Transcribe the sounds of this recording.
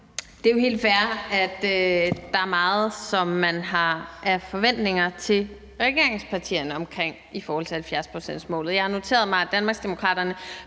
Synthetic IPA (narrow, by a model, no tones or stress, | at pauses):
d̥e̝æjo̝ɦe̝̰ːld̥fæɐæd̥ød̥ɑ̈æɐmɑ̈ːð̩ˠsɒ̽mːænɦɑ̈ʔæɐfɒ̽ʋen̰d̥ne̝ŋɐt͡sʰe̝l | ʁɛɡ̥e̝ɐeŋspʰɑ̈t͡sʰḭːɐnəɒ̽mkʰʁeŋ̰ | ifɒːhɒ̽l̰t͡sʰe̝hælfjæɐspʰʁosen̰̥smɔ̰̽ːlð̩ˠjɑ̈ɪhɑ̈no̝t͡sʰe̝̰ːɐð̞̩ˠmɑɪæd̥ænmɑ̈ɡsd̥e̝mo̝kʰʁɑ̰̈ːd̥ɐnə